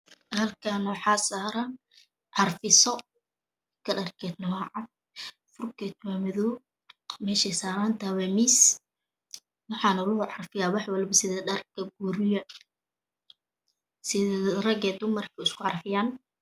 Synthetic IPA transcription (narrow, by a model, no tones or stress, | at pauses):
hɐlkʰaːnwɑħɑːsaːɾaːn | ʕɑrfɪsɔ | kʰɐɖɐrkʰɛːd̪nɐwaʕɑd̪̚ | fʊrkɛːt̪waːmɐðɔː | mɛːʃɛsaːɾaːnt̪ʰaːwɛmis | wɑħɑːnɐlʊhʊʕɑrfɪjaːwɑħwɐlbɐsɪðɛɖɐrkʰɐɡuːɾɪjɐ | sɪðɛrɐɡɛːd̪ʊmɐrkʰɐɪskʰʊʕɑrfɪjaːn